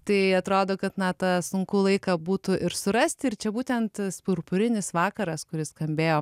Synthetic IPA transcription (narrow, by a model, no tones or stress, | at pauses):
t̪ɐɪɐt̪ɾoːd̪oːkɐt̪nɐt̪ɑsʊŋkuːlˠɐɪkɐbuːt̪ʊʔɪɾsʊɾɐsʲt̪ʲɪrt͡ʃʲɛbuːt̪ʲɛnt̪spʊɾpʊɾʲɪnʲɪsʋɑːkɐɾɐskʊɾʲɪsskɐmʲbʲeːjoː